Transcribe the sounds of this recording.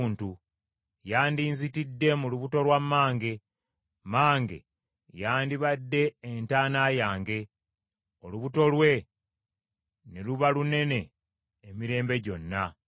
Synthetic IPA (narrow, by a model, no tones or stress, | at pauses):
ntu | jaːndiːnzitidːe̞muluβuto̞lwamːaːŋɡe̞ | maːŋɡe̞̰ | jaːndiβadːe̞ːntaːnaːjaːŋɡe̞ | o̞luβuto̞lwe̞ | neluβalune̞ne̞ː | miɾe̞ːmbe̞ɟo̞nːa